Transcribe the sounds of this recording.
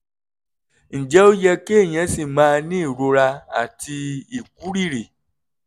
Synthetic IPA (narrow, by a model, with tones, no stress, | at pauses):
n̩˨d͡ʒɛ˨˦o˦jɛ˧ke˦e˦˨j̃ɛ̃˨˧˦si˦˨mãː˦˧nĩ˦i˦˨ɾo˧ɾa˧a˨ti˧i˨ku˨˦ɾi˦˨ɾe˨